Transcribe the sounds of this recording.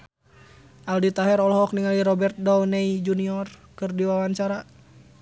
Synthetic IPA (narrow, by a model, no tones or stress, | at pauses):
ʔaldit̪aɦɛɾɔlɦɔk̚niŋaliɾɔbɛrt̪̚dɔwnɛid͡ʒuniɔrkɨrdiwawaɲt͡ʃaɾa